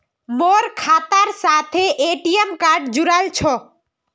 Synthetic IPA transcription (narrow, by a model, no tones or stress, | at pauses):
moɾkʰat̪aɾsat̪ʰeʔeʈiemkaɾɖd͡ʑuɾalt͡ɕʰo